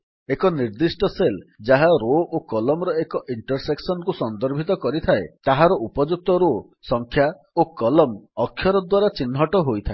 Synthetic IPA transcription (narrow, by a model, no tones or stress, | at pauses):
ekɔniɾd̪isʈɔseld͡ʒaɦaɾoʔokɔlɔmɾɔekɔʔiɳʈɔɾseksɔnkusɔnd̪ɔɾbʱit̪̬ɔkɔɾit̪ʰaet̪aɦaɾɔupɔd͡ʒuk̚t̪ɔɾo | sɔŋkʰja | okɔlɔmɔkʰjɔɾɔd̪waɾat͡ʃinɦɔʈɔɦojt̪ʰae